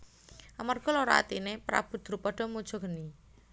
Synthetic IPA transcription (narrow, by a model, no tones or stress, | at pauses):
ʔamarɡ̥ɔ̤loɾa̰a̰t̪inepɾa̰b̥ṳd̪̥ɾupɔɖ̥ɔ̤mud̥ʒ̥ɔ̤ɡəni